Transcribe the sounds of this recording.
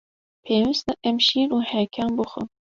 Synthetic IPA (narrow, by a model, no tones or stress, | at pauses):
pʰeːwist̪ɨʔɛmʃiːɾuːhɛkʲʰaːmbɨxʊ̰m